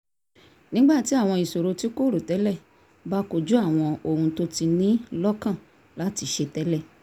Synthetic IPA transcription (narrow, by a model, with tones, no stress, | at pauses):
nĩ˦ɡ͡ba˦˨ti˨˦a˦˨w̃ɔ̃˧i˨so˨ɾo˨˧ti˦ko˦ɾo˨tɛ˨˦lɛ˦˨ | ba˦ko˨d͡ʒu˦a˦˨w̃ɔ̃˧o˨hũ˧to˦ti˧nĩ˦lɔ˦kã˦˨ | la˨˦ti˧ʃe˧tɛ˨˦lɛ˦˨